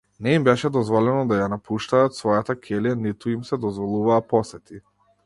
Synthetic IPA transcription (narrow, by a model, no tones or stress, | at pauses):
nɛimbɛʃɛd̪ɔzvɔlɛnɔd̪ajanapʰuʃt̪aːt̪svɔjat̪akʰɛlianit̪uimsɛd̪ɔzvɔlˠuvaːpɔsɛt̪i